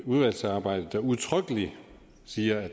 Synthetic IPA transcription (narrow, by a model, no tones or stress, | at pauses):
uðˠʋæl̰sɑ̈ːb̥ɑ̈ɪ̰d̥ð̩d̥æuðˠt͡sʰʁœɡ̥əli | siːɐæ